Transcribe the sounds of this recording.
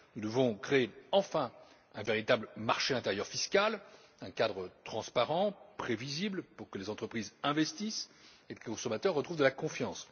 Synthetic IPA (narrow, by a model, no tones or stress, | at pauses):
nud̪əvɔ̃kχeːɑ̃fɛ̃ | ɛ̃veʁit̪abləmaʁʃeɛ̃t̪eʁjœʁfiskal | ɛ̃kad̪ʁət̪χɑ̃spaʁɑ̃pχeviziblpuʁkəlezɑ̃t̪χəpχizɛ̃vɛst̪is | elekɔ̃sɔmat̪œʁːət̪χuvd̪əlakɔ̃fjɑ̃s